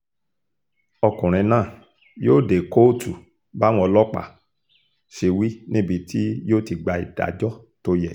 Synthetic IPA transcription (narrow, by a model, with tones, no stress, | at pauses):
ɔ˧kũ˨ɾ̃ĩ˧˦nãː˦˨ | joː˦˨de˨ko˦˨tu˨ | ba˦w̃ɔ̃˧lɔ˦k͡pa̰˦˨ | ʃe˧wi˦nĩ˦bi˧tʰi˦joː˦˨ti˧ɡ͡ba˧i˨da̰˨d͡ʒɔ˦ | to˦jɛ˨